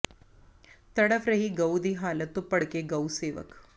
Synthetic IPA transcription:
t̪əɽəfɾəɦiːɡəwd̪iːɦalət̪ːopəɽkeɡəwseʋə̰k

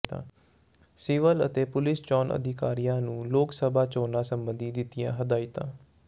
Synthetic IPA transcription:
t̪ã̰ː | siːʋələ̰t̪eːpʊlɪst͡ʃɔːnʔə̰d̪ɪkaːɾijãːnũːloːksəbʱaːt͡ʃoːnãːsəmbənd̪iːd̪ɪt̪ijã̰ːɦəd̪aːit̪ã̰ː

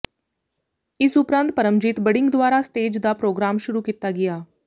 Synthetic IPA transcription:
ɪsʊpɾə̃nt̪̚pəɾəmd͡ʒɪt̪bəɖɪ̃ŋɡd̪ʊwaːɾaːst̪eːd͡ʒd̪aːpɾoːɡɾaːmʃʊɾuːkiːt̪aːɡɪjaː

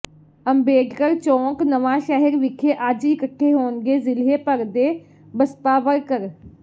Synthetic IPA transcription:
əmbeːɖkəɾt͡ʃɔ̃ːknəʋãːʃɛːɦɪɾʋɪkʰeʔaːd͡ʒikəʈʰːeɦoːnɡeːzɪlɦeːpəɾd̪eː | bəst̪aːʋəɾkəɾ

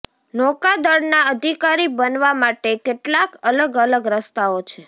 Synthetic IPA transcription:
nɔkad̪əɾnaəd̪ʱikaɾibənʋamaʈekeʈlakələɡələɡɾəst̪aot͡ʃʰe

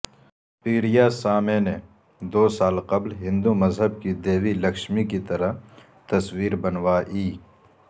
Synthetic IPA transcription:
piːɾijaːsaːmene | d̪oːsaːlqɐblɦɪ̃nd̪umɐzɦəb̚kid̪eːwilɐkʃmikit̪ɐɾɐɦ | t̪ɐswiːɾbɐnwaːʔiː

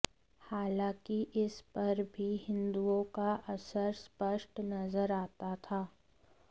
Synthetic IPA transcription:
haːlãːkiʔɪspɐɾbʱiɦɪ̃nd̪uõkaʔɐsəɾspəʃʈnɐzəɾaːt̪at̪ʰaː

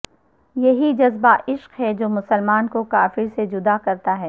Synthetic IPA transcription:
jɐɦid͡ʒɐzbaʔɪʃqɦɛd͡ʒoːmʊsəlmaːnkokaːfɪɾsed͡ʒʊd̪akɐɾt̪aɦɛː

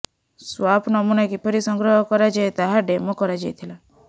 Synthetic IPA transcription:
swapʰnɔmunakipʰɔɾisɔŋɡɾɔɦɔkɔɾad͡ʒaet̪aɦaɖemɔkɔɾad͡ʒajt̪ʰila

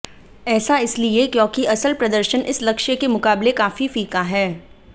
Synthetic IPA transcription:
ɛːsaɪsliekjõːkiʔɐsəlpɾɐd̪əɾʃənʔɪslɐkʃjəkemʊkaːblekaːfifiːkaɦɛː

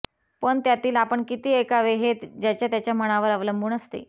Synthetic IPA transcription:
pəɳt̪jat̪iːlapəɳkit̪iːekaʋeɦet̪d͡ʑjat͡ɕjat̪jat͡ɕjaməɽ̃aʋəɾəʋləmbʱuːnəst̪ḛ

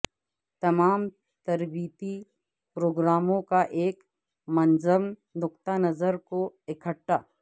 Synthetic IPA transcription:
t̪ɐmaːm | t̪ɐɾbiːt̪i | pɾoːɡɾaːmõkaʔeːk | mɐnzəmd̪ʊk̚t̪anəzəɾkoɪkʰəʈːaː

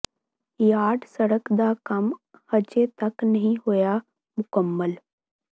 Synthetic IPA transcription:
jaːɖsɐɽəkd̪akɐm | hɐd͡ʒet̪ɐknɐɦĩɦoja | mʊkəmːəl

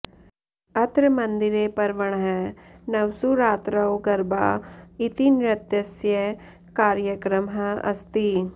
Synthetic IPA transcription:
ɐt̪ɾɐmɐnd̪iɾeːpɐɾʋɐɳ̃ɦɛnɐʋsuɾaːt̪ɾɐwɡɐɾbaːit̪inɾɐt̪jɐsjɐ | kaːɾjɐkɾɐmɦɐɐ̰st̪i

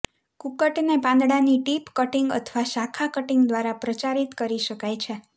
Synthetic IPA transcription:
kukəʈnepãnd̪ɽaniʈipkəʈiŋɡə̰t̪ʰʋaʃakʰakəʈiŋɡd̪ʋaɾapɾət͡ʃaɾit̪kəɾiʃəkajt͡ʃʰe

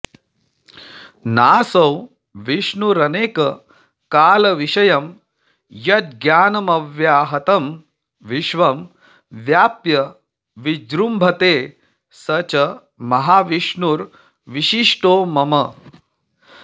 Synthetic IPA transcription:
naːsɐw | ʋiʂnuɾɐneːkɐ | kaːlɐʋiʃɐjɐm | jɐt̪̚ɡjaːnɐmɐʋjaːɦɐt̪ɐm | ʋiʃʋɐm | ʋjaːpjɐ | ʋid͡ʒɾumbʱɐt̪eː | sɐt͡ʃɐ | mɐɦaːʋiʂɳuɾ | ʋiʃiʂʈoːmɐmɐ

